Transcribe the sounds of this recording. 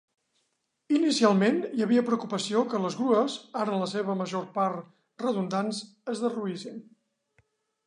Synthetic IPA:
inisialˠmenjəβiəpɾəukupəsiokələzɣɾuəzaɾələs̬eβ̞əməʒorpaɾ | rəðund̪anz | əzðəruisin

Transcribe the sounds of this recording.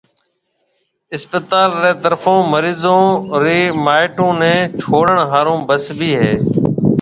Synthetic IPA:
ɪspət̪aːlɾeːt̪əɾfõːməɾiːzõːɾiːmaːɪʈõːnẽːt͡ʃʰoːɽəɳɦaːɾõːbəsbʱiːɦeː

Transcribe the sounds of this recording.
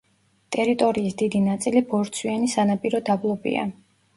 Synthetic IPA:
t̪ʼɛɾit̪ʼɔɾiːsd̪̥id̪inat̪sʼilibɔɾt̪sʰwianisanapʼiɾɔd̪ablˠɔbḭa̰

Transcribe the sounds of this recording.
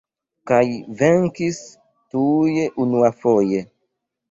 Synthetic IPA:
kajveŋkis | tujeʔunuafoje

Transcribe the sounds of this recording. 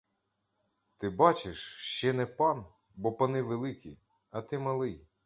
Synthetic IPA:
t̪ɪbɑt͡ʃɪʃʃt͡ʃɛnɛpɑn | bɔpɐnɪʋelˠɪkʲḭj | ɐt̪ɪmɐlˠɪj

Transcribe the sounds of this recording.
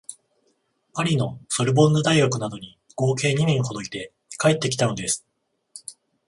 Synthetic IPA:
maɾʲino̞so̞ɾɯ̟bõ̞nːod̪aiɡakɯ̟nad̪o̞ɲ̟i | ɡ̥o̞ːke̞ːɲ̟imʲĩɰ̃ho̞d̪o̞it̪e̞ | kae̞t̪ːe̞kʲi̥t̪ano̞d̪e̞sɨ̥

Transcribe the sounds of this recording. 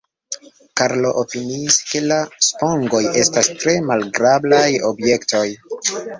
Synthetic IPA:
kaɾlo̞ʔopiniːske̞laspo̞ŋɡo̞je̞stastɾe̞malɡɾablajo̞̰bje̞ktʰo̞j

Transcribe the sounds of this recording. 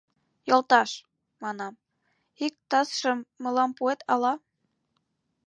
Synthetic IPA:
jolt̪ɑʃ | mɑnɑm | ik̚t̪ɑsʃəmːɤ̆lɑmpuet̪ɑlɑ

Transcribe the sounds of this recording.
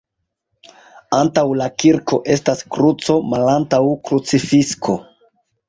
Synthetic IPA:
antawlakiɾko̞ʔe̞staskɾut͡so̞malantawkɾut͡sifiskʰo̞

